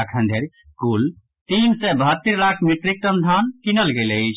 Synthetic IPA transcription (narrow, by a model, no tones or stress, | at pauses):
akʰə̃nd̪ʱeɾ | kul | t̪insɛbəɦət̪ːəɾlakʰmiʈɾik̚t̪əmd̪ʱankinəlɡelət͡ʃʰ